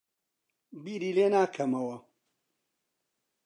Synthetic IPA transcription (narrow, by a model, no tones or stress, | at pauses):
biɾiːleːnaːkʰɐmɐwɐ